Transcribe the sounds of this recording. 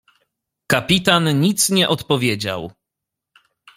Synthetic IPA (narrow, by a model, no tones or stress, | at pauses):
kapʲit̪anɲit̪sɲɛʔɔt̪pɔvʲjed͡ʑa̰w